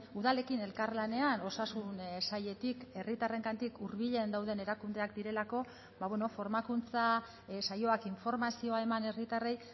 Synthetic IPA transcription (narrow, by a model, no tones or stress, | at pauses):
uðale̞kine̞lkarlane̞ano̞sasunsaje̞t̪ike̞rit̪are̞ŋkant̪ikuɾβiʎe̞nd̪awðe̞ne̞ɾakund̪e̞akd̪iɾe̞lako̞ | baβweno̞fo̞ɾmakunt͡sa | sajo̞akiɱfo̞ɾmasio̞ae̞mane̞rit̪arej